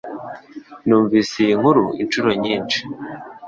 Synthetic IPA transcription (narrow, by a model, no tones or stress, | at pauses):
nuːɱviːsijiŋhuɾuḭnt͡ʃuɾo̞ɲiːnt͡ʃi̥